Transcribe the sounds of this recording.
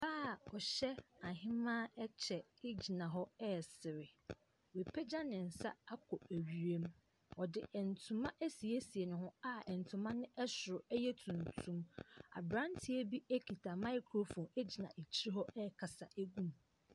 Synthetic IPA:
baː˦˨ɔ˨ɕɛ˦a˨ɦɪ̃˦mã˦ɛ˦t͡ɕʰɛ˨ɪ˦d͡ʑi˨nã˨ɦɔ˦ɛ˦˨sɪ˨ɾɪ˨ | we˨pʰɛ˦d͡ʑa˦nɪ̃˨n̩˨sa̰˦a˦kʰɔ˨æ˨ɥi˨ɾe˦m | ɔ˨dɪ̰˨ɛ˨n̩˨tʰũ˨mã˦ʔæ˦si˨e˦si˨e˨nʊ̃˨ɦʊ̃˦a˦ɛ˨n˨tʰʊ̃˨mã˦nɪ̃˦ʔɛ˦sʊ˨ʊ˨ɛ˦jɛ˦tʰũ˨n˨tʰũ˦ma̰˨bɾã˦n˦tʰi˦e˦bi˦æ˦kʰi˨tʰa˨mã˦ɪ˦kʰɾo˦fɔ̃˨ne˦d͡ʑi˨nã˨ʔe˨t͡ɕʰi˦ɾi˦ɦɔ˦ɛ˦˨kʰa˨sa˨ʔæ˦ɡũ˦m

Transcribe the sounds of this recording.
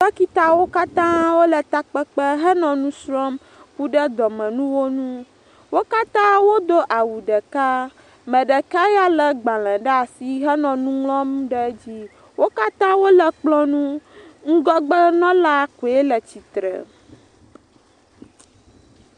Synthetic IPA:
lɛ˦ki˦t̪a˦wo˦ka˦t̪ã˦wo˦lə˨t̪a˦k͡pɛ˦k͡pə˦ɦə˦nɔ̃˨nũ˦sɾɔ˦m | ku˦ɖə˦d̪ɔ˨mɛ̃˨nũ˦wo˦nũ˦ | wo˦ka˦t̪ã˦wo˦d̪o˦ʔa˨wu˨ɖə˨ka˦ | mɛ̃˨ɖə˨ka˦ja˦lə˨ɡ͡ba˨lɛ̃˨ɖɛ˦a˨si˦ɦɛ˦nɔ̃˨nũ˦ŋlɔ̃˦mɖə˦d͡ʑi˦ | wo˦ka˦t̪ã˦wo˦lə˨k͡plɔ̃˦nũ˦ŋ̩˦ɡɔ˦ɡ͡bə˦nɔ̃˦la˦ku˨e˦lə˨t͡ɕi˨t̪ɾə̰˨

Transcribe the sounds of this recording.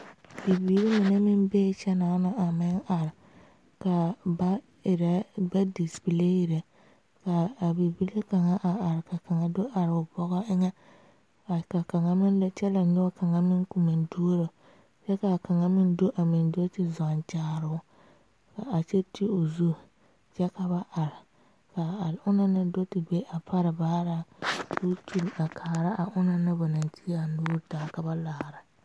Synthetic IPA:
bi˨biː˦ɾi˦mɪ˨ne˦mɪ˦nbe˦t͡ʃɛ˦naː˨˦na˨ʔa˨mɪ˦ŋa˨ɾɪ˨ | ka˨ba˦ | ɪ˨ɾa˦ba˦di˨spi˨le˦ji˨ɾe˨ | kaː˨bi˨bi˦ɾe˦ka˨ŋa˦ʔa˨ʔa˨ɾɪ˨ka˨ka˨ŋa˨do˦ʔa˨ɾʊ˨bɔ˦ɣɔ˦ɪ˦ŋɛ˦ | a˨ka˨ka˨ŋa˨mɪ˦n˦t͡ʃɛ˦la˨ɲʊ˦a˦ka˨ŋa˦mɪ˦ŋku˨mɪ˨ndo˦ɾo˨ | t͡ʃɛ˦ka˨ka˨ŋa˨mɪ˦n˦do˦ʔa˨mɪ˨ndo˦tɪ˨za˨nt͡ʃaː˦˨ɾʊ˦ʊ˦ | ka˨a˨t͡ʃɛ˦tɪ˦o˨zu˦ | t͡ʃɛ˦ka˨βa˦ʔa˨ɾɪ˨ | ka˨ʊ˦na˦na˦do˦tɪ˨be˦ʔa˨pʰa˦ɾɪ˨baː˦ɾa˦tu˦tu˨la˨kʰaː˨ɾa˦ʔa˨ʔʊ˦na˨na˦ba˨na˨nti˦a˨nʊː˦taː˨ka˨ba˦laː˨ɾa˨

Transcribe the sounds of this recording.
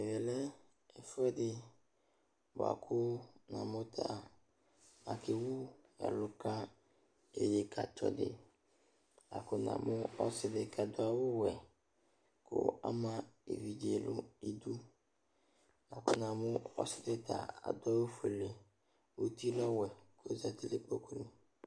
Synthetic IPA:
ɛ˨vɛ˨lɛ˦ | ɛ˨fɛ˦dɪ˨ | ba̰˨kʰʊ˦nã̰˨mʊ˦t̪ʰa˦˨ | a˨kɪ˨wʊ˦ | ja̰˨lʊ˨ka˦ | e˨je˨kʰa˨tɔ̰˨dɪ̰˨ | a̰˨kʊ˦nã̰˨mʊ˦ɔ˦sɪ˨dɪ˨kʰa˨d̪ʊ˦a˨wʊ˦wɛ˨ | kʰʊ̰˦a̰˦mã˦ḛ˨vi˨d͡ʒe˨lʊ˦i˨du˦ | a˨kʊ˦nã˨mʊ˦ɔ˦sɪ˦dɪ˦tʰa̰˨a̰˨dɔ˦wo˦fe˨le˨ | wo˦ti˦lɔ˦wɛ˨ko˦za˨ti˦lɪ˦k͡po˦klu˦˨

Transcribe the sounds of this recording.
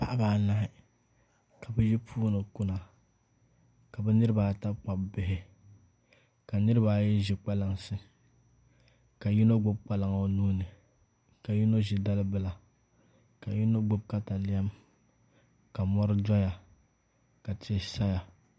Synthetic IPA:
pa˨ʔa˦baː˨˦˨na˦hɪ˦ | ka˨bɛ˦ji˦pʰuː˦nɨ˨kʊ˦na˨ | ka˨bɛ˦nɨ˦ɾɨ˦baː˨ta˦bk͡pa˨bbɪ˨ɦɪ˦ | ka˨nɨ˦ɾɨ˦baː˨jɛ˦ʒɪ˨k͡pa˦la˦ŋsɨ˦ | ka˨ji˦no˦ɡ͡bʊ˦b̚k͡pa˦la˨ŋ˨o˦nu˦nɨ˨ | ka˨ji˦no˦ʒɪ˦da˦lɨ˦bɨ˦˨la˨ | ka˨ji˦no˦ɡ͡bʊ˦b̚ka˦ta˨lɪ˦a˦m | ka˨mɔ˦ɾɨ˦da˦ja˨ | ka˨tʰɪ˨˦˨sa˦ja˨

